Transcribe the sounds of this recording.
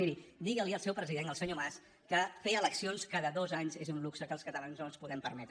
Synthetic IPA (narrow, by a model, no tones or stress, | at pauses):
iɾid̪iɣəlˠiəlˠsɛwpɾəziðenəlˠsəɲomas | kəfeələksionskaðəðozaɲzezunluksəkəlˠskət̪əlanznonˠspuðɛmpəɾmɛt̪ɾə